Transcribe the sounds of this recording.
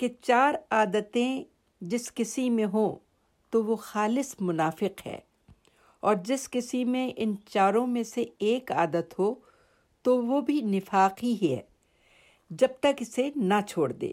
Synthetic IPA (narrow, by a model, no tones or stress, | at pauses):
ket͡ʃaːɾaːd̪ət̪ẽ | d͡ʒɪskɪsimẽɦõ | t̪oʋoxaːlɪsmʊnaːfɪqɦɛ̰ː | ɔːɾd͡ʒɪskɪsimẽʔɪnt͡ʃaːɾõmẽseeːkaːd̪ət̪ɦo | t̪oʋobʱinɪfaːqɦiɦɛ̰ː | d͡ʒɐb̚t̪əkɪsenat͡ʃʰoːɽd̪ḛː